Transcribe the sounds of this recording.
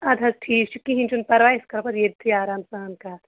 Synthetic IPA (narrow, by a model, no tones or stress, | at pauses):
ɐd̪ʱɐsʈʰiːt͡ʃʰukːiɦint͡ʃunpɐɾʋaːiskɐɾpɐd̪jed̪t̪ʰiaːɾaːmsɐɦɐnkaːt̪